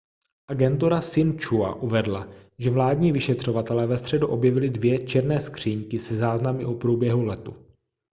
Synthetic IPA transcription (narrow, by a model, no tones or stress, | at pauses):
ʔaɡɛnt̪uɾasɪnt͡ʃua̰ʔuvɛdlaʒɛvlaːdɲiːvɪʃɛt̪r̝̥o̞vat̪ɛlɛːvɛst̪r̥ɛduʔo̞bjɛvɪlɪdvjɛt͡ʃɛɾnɛːskr̝̥iːŋkɪsɛzaːznamɪʔopɾuːbjɛɦulɛt̪u